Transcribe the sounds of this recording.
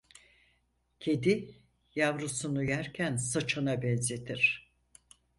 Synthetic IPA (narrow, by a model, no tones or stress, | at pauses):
cʰe̞d̪i | javɾusunujæɾcʰænsat͡ʃʰanabɛnze̞t̪ʰiɾ̥